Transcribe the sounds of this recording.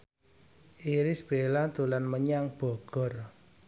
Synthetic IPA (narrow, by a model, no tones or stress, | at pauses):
iɾɪsb̥elat̪ulanməɲaŋb̥ɔ̤ɡ̥ɔ̤r